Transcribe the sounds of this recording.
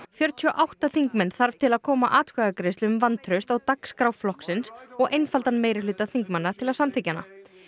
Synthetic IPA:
fjœɾt̪ʰyɔʔawht̪aθiŋkmɛnθaɾv̥t̪ʰɪlaðkʰɔːmaʔaːt̪kaɣakɾest̪ʏʏmvant̪ʰɾœɥst̪awt̪akskɾawflɔhksɪnsɔɣʔejnfalt̪anmejɾɪlʏːt̪aθiŋkmanːat̪ʰɪlaðsamθɪcːanːa̰

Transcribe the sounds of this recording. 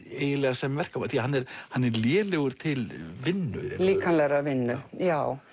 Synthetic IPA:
eːjɪlɛɣasɛmvɛr̥kaaθiaɦanːɛɾ̥hanːɛɾljɛːlɛɣʏɾ̥t̪ʰɪlvɪnːʏ̰ɛ̰liːkʰanlɛɣɾavɪnːʏjaːw

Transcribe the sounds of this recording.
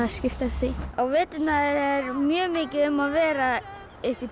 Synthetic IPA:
ascɪft̪asiawveːt̪ɪnaðɛɾɛɾmjœːmɪːcɪʏmaðvɛːɾa | ehpɪ

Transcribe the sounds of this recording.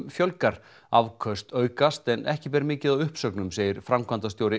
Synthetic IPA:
mfjœlkaɾ̥ | avkʰœst̪œːɥkast̪ɛnʔɛhcɪpɛːɾmɪːcɪðawʏhpsœknʏmseːjɪɾ̥fɾamkʰvant̪ast̪joːwɾɪ

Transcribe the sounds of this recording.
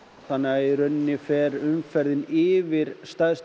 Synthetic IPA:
θanːɛɣaɛɾœnːɪfɛːɾʏmfɛɾðɪnɪːvɪɾ̥st̪aðst̪

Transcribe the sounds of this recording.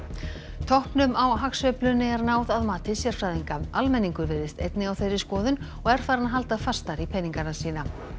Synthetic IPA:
t̪ʰɔhpnʏmawɦaksœplʏnːɪɛɾnaːwðaðmaːt̪ɪsjɛɾ̥fɾaːjðiŋkamalmɛnːiŋkʏɾvɛɾðɪst̪ḛjt̪nɪawθejɾɪskɔːðʏn | ɔɣɛɾ̥θaːɾanaɦalt̪afḁst̪aɾipʰɛnːiŋkanasiːna

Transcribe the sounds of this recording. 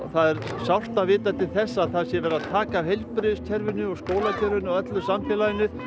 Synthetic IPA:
θaðɛɾsawr̥t̪avɪːt̪at̪ʰɪlθɛsːaːθasjɛvɛːɾaðt̪ʰaːkaːwhejlpɾʏʏst̪ʰjɛɾvɪnːʏɔɣskoːwlat̪ʰɛɾvɪnɔɣœt̪lʏsamfɛːlaðɪnʏ

